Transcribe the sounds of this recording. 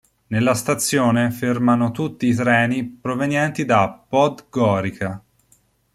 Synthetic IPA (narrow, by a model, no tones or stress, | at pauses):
nelːast̪at̪sːjoːnefermanot̪ut̪ːiːt̪ɾɛːnipɾovenjɛnt̪id̪apɔd̪ɡɔːɾika